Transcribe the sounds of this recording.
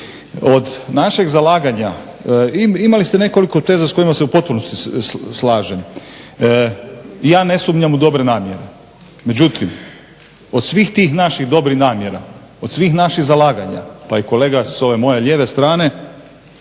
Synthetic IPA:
o̞d̪naʃeɡzalaːɡaɲa | iimalist̪ene̞ko̞liko̞t̪ezasko̞jimaseupo̞t̪̚punost̪islaːʒem | jaːne̞sumɲamud̪o̞bɾe̞naːmjeɾe | me̞d͡ʑut̪ʰim | o̞d̪̥sʋixt̪iːxnaʃiɣd̪o̞bɾihnaːmjeɾa̰ | o̞d̪sʋiːxnaʃiɣzalaːɡaɲa̰paiko̞leːɡaso̞ʋe̞mo̞jeʎʲeʋest̪ɾaːne̞

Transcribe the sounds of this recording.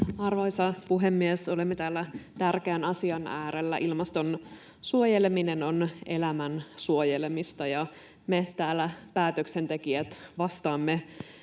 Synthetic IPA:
ɑrʋo̞jsɑpuɦemːieso̞lemːet̪æːlːæt̪ærk̟eːnɑsiɑnæːɾelːæ̰ʔilmɑst̪o̞n | suojelemine̞no̞ne̞̰læmænsuojelemist̪ɑjɑ | met̪æːlːæpæːt̪øksent̪ekiæt̪ʋɑst̪ɑːmːe

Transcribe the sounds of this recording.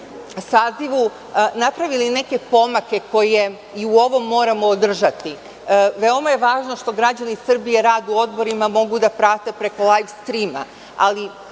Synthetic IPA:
saːziʋu | napɾaʋiline̞ke̞po̞make̞ko̞je̞ | iuo̞ʋomːo̞ːɾamoːd̪r̩ʒat̪i | ʋeo̞maje̞ʋaːʒno̞ʃt̪o̞ɡɾad͡ʑanisr̩bijeɾaːd̪uo̞d̪bo̞ɾimamo̞ɡud̪apɾaːt̪e̞pɾe̞ko̞lajfst̪ɾima̰ | a̰li

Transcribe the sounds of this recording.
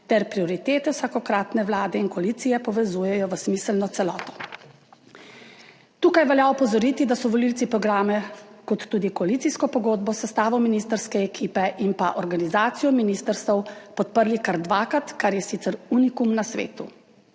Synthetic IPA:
t̪ɛɾpɾiɔɾit̪eːt̪ɛwsakɔkɾaːt̪nɛwlaːd̪ɛinkɔalit̪sijɛpɔʋɛzuːjɛjɔʋəsmiːsəlnɔt̪sɛlɔːt̪ɔ̥ | t̪uːkajʋɛljaɔpɔzɔɾiːt̪id̪asɔʋɔliltsipɾɔɡɾaːmɛkɔt̪ːuːd̪ikɔalit̪siskɔpɔɡoːd̪bɔsɛst̪aːʋɔminist̪əɾskɛɛkʰiːpɛʔinpaʔɔɾɡanizaːt̪sijɔminiːst̪əɾst̪ɛwpɔt̪̚pəɾlikaɾd̪ʋaːkɾat̪kaɾjɛsit̪sɛɾuːnikumnasʋḛːt̪u

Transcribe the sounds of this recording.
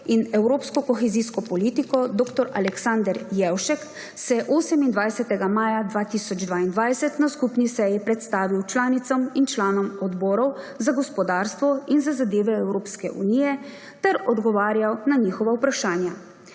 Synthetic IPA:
inɛwɾoːpskɔkɔxɛziːskɔpɔliːt̪ikɔd̪oːkt̪ɔɾa̰lɛksand̪ɛɾjɛwʃɛk | sɛʔoːsɛmind̪ʋajsɛt̪ɛɡamaːjad̪ʋaːt̪iːsɔd͡ʒd̪ʋaːind̪ʋajsɛt̪naskupnisɛjipɾɛt̪st̪aːʋiwt͡ʃlaːnit̪sɔmint͡ʃlaːnɔmɔd̪bɔːɾɔw | zaɡɔspɔd̪aːɾst̪ʋɔinzazad̪eːʋɛɛwɾoːpskɛʔṵniːjɛ | t̪ɛɾɔd̪ɡɔʋaːɾjawnaniːxɔʋaupɾaʃaːnja

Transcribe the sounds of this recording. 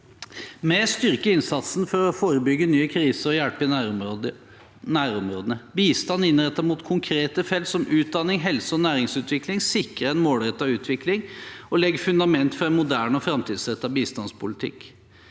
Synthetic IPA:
mɛst̪ʏɾkəɪnsɑt̪sn̩fɔɾɔfoːɾəbʏɡːənyːəkʰɾiːsəɾɔjælpɪ | næːɾɔmɾoːd̪ənəbiːst̪ɑnːɪnɾɛt̪ːəɾmuːt̪kʰʊŋkʰɾeːt̪əfɛlt̪sɔmʔʉːt̪̚d̪ɑnɪŋɦɛlsəɔnæːɾɪŋsʉːt̪ʋɪklɪŋsɪkɾəɾɛnmoːlɾɛt̪ːɑʋʉːt̪ʰʋɪklɪŋɔlɛɡːfʉnd̪ɑmɛnt̪fɔɾɛnmʊd̪æːɳɔfɾɑmt̪ʰiːd̪sɾɛt̪ːɑʋbiːst̪ɑnspʰʊlɪt̪ʰɪ̰kː

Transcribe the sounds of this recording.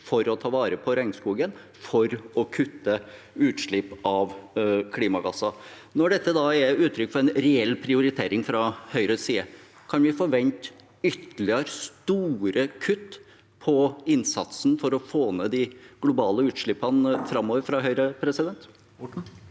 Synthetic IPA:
fɔɾɔt̪ʰɑːʋɑːɾəpʰɔɾɛŋskuːɡən | fɔɾɔkʰʉt̪ːə | ʉːt̪ʂɭɪpːɑʋkʰliːmɑɡɑsɑ | nɔɖɛt̪ːəd̪ɑɛʉːt̪ʰɾʏkːfɔɾɛnɾɛɛlːpʰɾɪʊɾɪt̪ʰeːɾɪŋfɾɑhœʏɾəsiːə | kʰɑnʋɪfoːʋɛnt̪ | ʏt̪ːəlɪəɾst̪uːɾəkʰʉt̪ː | pʰɔɪnsɑt̪snfɔɾɔfoːneːd̪ɪɡlʊbɑːləʉːt̪ʂɭɪpːɑnfɾɑmːoːʋəɾfɾɑɦœʏɾəpʰɾɛsɪd̪ɛnt̪

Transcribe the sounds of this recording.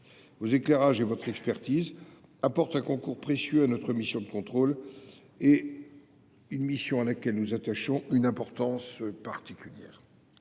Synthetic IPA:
vozeklɛʁaʒevɔt̪χɛkspɛʁt̪iz | apɔʁt̪ɛ̃kɔ̃kuʁpχesjøanɔt̪χəmisjɔ̃d̪əkɔ̃t̪χol | e | ynmisjɔ̃alakʲɛlnuzat̪aʃɔ̃ynɛ̃pɔʁt̪ɑ̃spaʁt̪ikʲyljɛːʁ

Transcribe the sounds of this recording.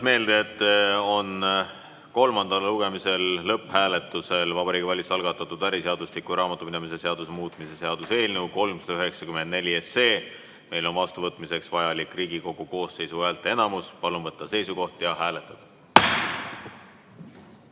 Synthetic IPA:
me̞ːld̪eːt̪ːo̞n | ko̞lmɑnd̪ɑlːluɡ̥e̞mise̞lːɤpːˑhæːle̞t̪ːˑuse̞lvɑbɑɾiːɡ̥ivælʲisɑlɡ̥ɑt̪ːˑɑt̪ːud̪æɾiseɑd̪̥uslikːˑuɾɑːmɑt̪ːˑuminemise̞se̞ɑd̪usemuːt̪ˑmise̞se̞ɑd̪̥use̞ːlnəwko̞lmsɑd̪ɑyɦe̞ksɑkymend̪̚ne̞lʲie̞se̞ː | me̞jlo̞nvɑst̪uvɤt̪ːˑmise̞ksvɑjɑlikːˑriːɡ̥iko̞ɡ̥uko̞ːsːe̞jsuæːlt̪ːˑee̞nɑmuspɑlunvɤt̪ˑːɑse̞jsuko̞ht̪jɑɦæːle̞t̪ːˑɑd̪̥ɑ̥

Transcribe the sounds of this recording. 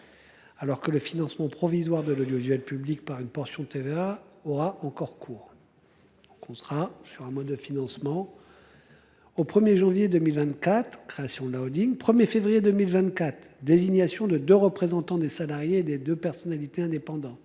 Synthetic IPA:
alɔʁkələfinɑ̃smɑ̃pχɔvizwaʁd̪əlod̪joiʒyɛlpyblik̚paʁynpɔʁsjɔ̃t̪eveaɔʁaʔɑ̃kɔʁkʰuːʁ | d̪̥ɔ̃kɔ̃sʁasyʁɛ̃mɔd̪ːəfinɑ̃smɑ̃ | opχəmjeʒɑ̃vjed̪ømilvɛ̃t̪kat̪χkχeasjɔ̃lawd̪iŋpχəmjefevʁijed̪ømilvɛ̃t̪kat̪χd̪eziɲasjɔ̃d̪əd̪øʁəpχezɑ̃t̪ɑ̃d̪esalaʁjeːd̪ed̪øpɛʁsɔnalit̪eɛ̃d̪epɑ̃d̪ɑ̃t̪

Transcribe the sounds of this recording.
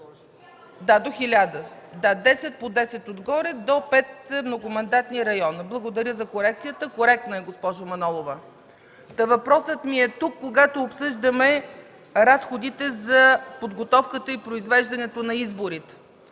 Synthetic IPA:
d̪ad̪oxilʲad̪əd̪ad̪ɛsɛt̪̚pod̪ɛsɛt̪od̪ɡɔɾɛd̪ɔpɛt̪̚mnoɡʊmɐnd̪at̪niɾɐjɔnblˠɐɡod̪ɐɾʲəzɐkoɾɛk̚t̪sijət̪əkoɾɛk̚t̪nɐɛɡospɔʒʊmɐnɔlˠovə | t̪ɐvɐpɾɔsət̪miɛt̪ukːoɡat̪oːpsɤʒd̪əmɛ | ɾasxod̪it̪ɛzɐpod̪ɡot̪ɔfkət̪əipɾoizvɛʒd̪ɐnɛt̪onɐizboɾit̪ɛ̥

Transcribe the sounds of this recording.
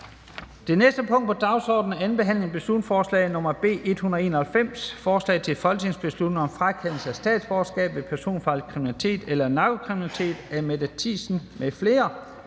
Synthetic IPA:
d̥e̝nesd̥əpʰɔ̽ŋ̰d̥̚pʰɒ̽d̥ɑ̈ʊsɒ̰ːd̥n̩ænb̥e̝ɦæn̰le̝ŋb̥e̝slu̥nsfɒːslɛ̰ɪnɔ̽m̰ɐb̥e̝̰ːʔe̝d̥hunɐð̩ˠe̝ːnɐhælfem̰sfɒːslɛ̰ɪt͡sʰe̝lfɒ̽lɡ̥ne̝ŋsb̥e̝slud̥ne̝ŋɒ̽mfʁakʰen̰l̩səæsd̥ɛ̰ːd̥sb̥ɒːsɡ̥ɛ̰ːb̥ʋe̝pʰæɐso̝̰ːnfɑl̰̥kʰʁiminælit͡sʰe̝̰ːd̥elɐnɑ̈ɡ̥okʰʁiminit͡sʰe̝̰ːd̥æɐmed̥ət͡sʰḭːsn̩mefle̝ːɐ

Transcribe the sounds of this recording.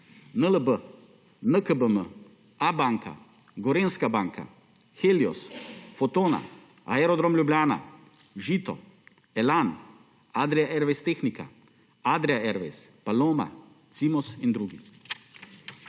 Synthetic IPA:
nələbə | nəkəbəmə | abaŋka̰ | ɡɔɾeːnskabaːŋkʰa̰ | xeːljɔ̰sfɔt̪oːna̰ | aɛɾɔd̪ɾomlʲjubljaːna̰ | ʒiːt̪ɔ̰ | ɛlan | ad̪ɾɛjaʔɛɾʋest̪exnika̰ | ad̪ɾɛaɛɾʋḛspaloːma̰ | t̪simɔsind̪ɾuːɡḭ

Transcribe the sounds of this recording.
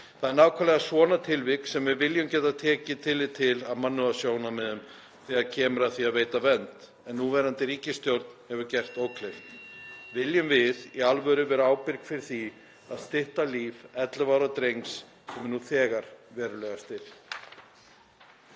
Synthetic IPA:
θaðɛɾnaːwkʰaːlɛɣasvɔːnat̪ʰɪlvɪksɛmvɪvɪljʏmcɛːt̪at̪ʰɛːcɪt̪ʰɪlːɪt̪ʰɪlaðmanːʏasjoːwnamɪðʏm | θɛaðcʰɛːmʏɾaðθiaðveːjt̪avɛnt̪ | ɛnːuvɛːɾant̪ɪɾiːcɪst̪jowɾt̪nhɛvʏcɛr̥t̪oːwkʰlejft̪vɪljʏmvɪðialvœɾʏvɛːɾaaːwpɪɾkfɪɾɪɾ̥θi | aðst̪ɪht̪aliːvɛt̪lʏvaːwɾat̪ɾejŋks | sɛmɛnuθɛːɣaɾ̥vɛːɾʏlɛɣast̪ɪɾ̥

